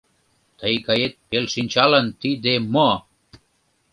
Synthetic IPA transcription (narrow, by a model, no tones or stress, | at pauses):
t̪əjkɑjet̪̚pelʃinʲt͡ɕɑlə̆nt̪id̪emo